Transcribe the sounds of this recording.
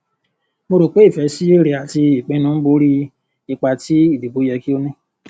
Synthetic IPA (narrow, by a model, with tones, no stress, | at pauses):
mo˧ɾo˨k͡pe˦i˦˨fɛ˨˧˦si˦e˦ɾe˨˧a˨ti˧i˨k͡pẽ˨˧˦nũ˦bo˧˦ɾi˦ | i˧k͡pa˧ti˦i˦˨di˨bo˨˦jɛ˧ki˦o˧nĩ˦